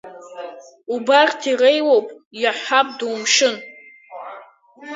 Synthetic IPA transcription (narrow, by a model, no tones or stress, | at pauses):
ubartʰirejwowpʼjaħʷapʼdumʂɨn